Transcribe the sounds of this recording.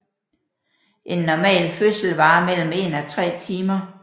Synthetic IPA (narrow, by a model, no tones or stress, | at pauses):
ʔe̝nːɒmɛ̰ːlføsl̩ʋɑ̈ːmel̰m̩e̝nɒt͡sʰʁɛ̰ːt͡sʰiːmɐ